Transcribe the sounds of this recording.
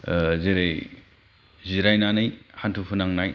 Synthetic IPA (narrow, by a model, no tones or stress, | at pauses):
zeɾej | ziɾajnanɯjhantʰupʰunaŋnaj